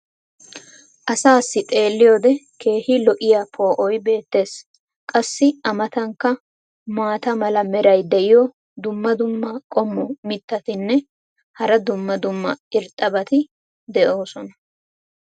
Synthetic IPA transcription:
ʔɐsaːsːɪt̪ʼe̞ːlːɪjoːd̪ɛ | kʰe̞ːhɪlɔʔɪjapʰo̞ːʔɔjbe̞ːt̪ːe̞ːs | kʼɐsːɪʔɐmɐt̪ɐŋkːɐ | maːt̪ɐmɐlɐmɛɾɐjd̪ɛʔɪjɔ | d̪ʊmːɐd̪ʊmːɐkʼɔmːɔmɪt̪ːɐt̪ɪnːɛ | hɐɾɐd̪ʊmːɐd̪ʊmːɐɪɾt̪ʼːɐbɐt̪ɪ | d̪ɛʔo̞ːsɔnɐ

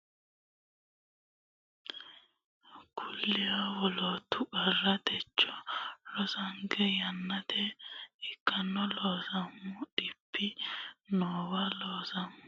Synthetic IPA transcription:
kʰʊlːɪjawɔlot̪ːʊkɐrːɐt̪ɛt͡ʃːɔlɔsɐŋɡɛjɐnːɐt̪ʰɛɪkːɐnːɔloːsɐmʊɗɪpːɪnoːwɐloːsɐmʊ

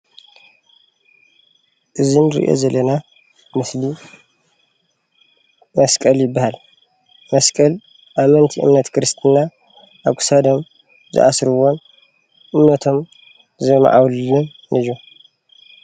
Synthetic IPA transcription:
ʔɨzinɨɾḭʔo̰zɐlːɐna | mɨsli | mɐskʼɐljɪbːahal | mɐskʼɐl | ʔamɐnt̪ʰiʔɨ̰mnɐt̪kʰɨɾɨst̪ʰɨna | ʔaβkʰu̥sad̪om | zɨ̰ʔa̰sɾɨwo̞n | ʔɨmnɐt̪ʰo̞m | zɐma̰ʕawllːun | nʔɨju

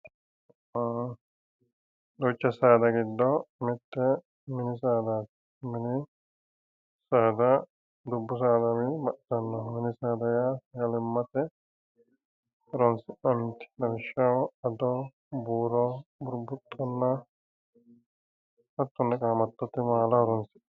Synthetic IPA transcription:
d̪ot͡ʃːɐsaːd̪aɡid̪ːɔmɛt̪ːɛ | minisaːd̪at̪ | mini | saːd̪a | d̪ubːus̬aːd̪amibɐʔt̪ɐnːɔminisaːd̪ajajalimːɐt̪ɛ | ɾɔnsɪɐnt̪i̥ɐɾʃɐwɐd̪ɔ | buːɾɔbuɾbut̪ʼʰːɔnːɐ | ɐt̪ːɔnːɐkʼaːmɐt̪ːɐt̪ːɛmaːlɐɾɔnsi̥

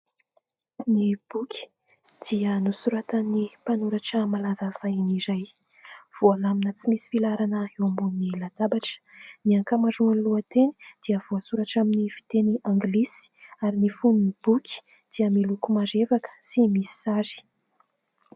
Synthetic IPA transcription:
nib̥ukʲʰi̥ | d̪̥iənusuɾat̪anipanuɾaʈ͡ʂəmalazafainizaj | v̥oalaminət͡simisi̥filaɾanəembunilad̪abaʈ͡ʂə̥niaŋkamazuanluət̪eni̥d̪̥iəv̥oasuɾaʈ͡ʂaminifi̥t̪eniãŋɡlisi̥aɾinifuninibukʲi̥ | d̪̥iəmilukumazevakə̥simisi̥sazi̥

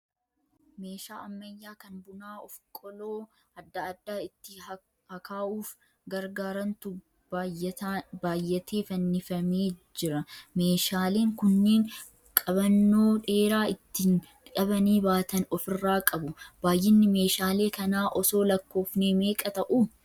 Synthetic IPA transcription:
me̞ːʃaːʔɐmːɐjːaːkɐnbʊnaːɔfkʼɔloː | ɐd̪ːɐːd̪ːaːɪt̪ːɪ | hɐkʰaːʔuːf | ɡɐɾɡaːɾɐnt̪ʊ | baːjɛt̪abaːjːɛt̪ʰeːfɐnːɪfɐmeːd͡ʒɪɾɐme̞ːʃaːle̞ːŋkʊnːeːŋ | kʼɐβɐnːo̞ːᶑe̞ːɾaːɪt̪ːɪn | ᶑɐbɐniːbaːt̪ɐnɔfɪrːaːkʼɐbʊb̥aːjːɪnːɪme̞ːʃaːle̞ːkɐnaːʔɔso̞ːlɐkːo̞ːfneːme̞ːkʼɐt̪ɐʔu

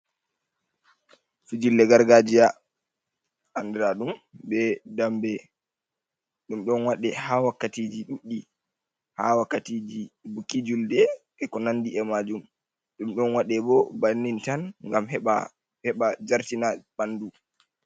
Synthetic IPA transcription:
fid͡ʒilːɛɡaɾɡad͡ʒija | andɛɾaɗumbɛdambɛ | ɗumɗɔnwaɗɛhawakːatid͡ʒiɗuɗːi | hawakːatid͡ʒibukːid͡ʒuldɛɓɛkɔnandiɛmad͡ʒum | ɗumɗɔnwaɗɛbɔbanːintanŋɡamɛa | hɛɓad͡ʒaɾtinabandu

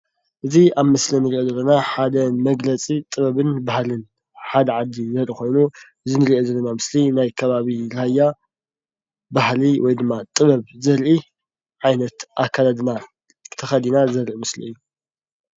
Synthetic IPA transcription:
ʔɨziaβmɨslinɨɾiʔozɐlːɐnaħad̪ɐmɐɡlɐt͡sʼit̪ʼɨβɐβɨnbahlɨn | ħad̪ɐʕad̪ːizɐlixo̞jnuʔɨzinɨɾiʔozɐlːɐnamɨslinajkʰɐβaβiɾajːa | bahliwɔjd̪ɨmːat̪ʼɨβɐβzɐɾʔi | ʕajnɐt̪ʔakʰːalad̪na | t̪ʰɐxɐd̪inazɐɾʔimɨslḭɨjːu

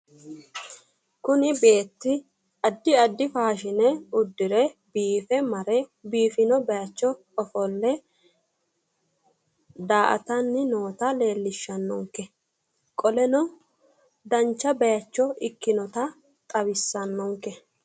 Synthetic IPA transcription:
kʊnɪbe̞ːt̪ːɪ | ɐd̪ːɪɐd̪ːɪfaːʃɪnɛʊd̪ːɪɾɛbiːfɛmɐɾɛbiːfɪnɔbɛjɐt͡ʃːɔ | ɔfɔlːɛ | d̪aːʔɐ̰t̪ɐnːɪno̞ːt̪ɐle̞ːlːɪʃːɐnːɔŋkːɛ | kʼɔlɛnɔ | d̪ɐnt͡ʃːɐbɛjɐt͡ʃːɔɪkːɪnɔt̪ɐ | t̪ʼɐβɪsːɐnːɔŋkːɛ

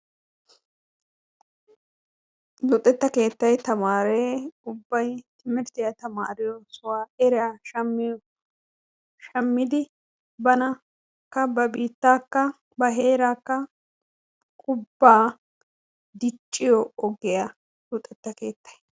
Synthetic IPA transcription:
lʊt̪ʼːɛt̪ːɐke̞ːt̪ːɐjt̪ɐmaːɾeːʊbːɐjt̪ʰɪmɪɾt̪ɪjɐt̪ɐmaːɾɪjɔsʊwaːɛɾɪjaʃɐmːɪ | ʃɐmːɪd̪ɪ | bɐnɐ | kːɐbɐbiːt̪ːaːkːɐ | bɐɦe̞ːɾaːkːɐ | kʼʊbːaː | d̪ɪt͡ʃʼːɪjɔɔɡɛja | lʊt̪ʼːɛt̪ːɐkeːt̪ːɐ̥j

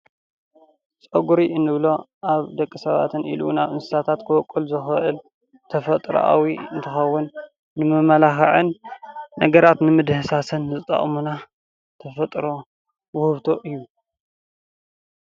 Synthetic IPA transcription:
t͡sʼɐɡuɾiʔɨnːɨβlo̞ | ʔaβd̪ɐkʼːisɐβa̰t̪ʰɨnʔḭlṵnaβɨnsɨ̥sat̪ʰat̪kʰɨwɔkʼulzɨxʔɨl | t̪ʰɐfɐt̪ʼɾ̰ʔa̰wiɨ̰nt̪ʰɨxɐwːʊnː | ɨmɨmɐlaxɐʕɨnː | ɐɡɐɾat̪nɨmɨd̪hɨsasɐnzɨt̪ʼːɐ̰χʼmuna | t̪ʰɐfɐt̪ʼɾo̞ | wʊhɨβt̪ʰo̞ʔɨjːu

